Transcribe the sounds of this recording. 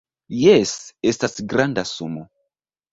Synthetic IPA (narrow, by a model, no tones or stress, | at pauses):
jesestasɡɾandasumo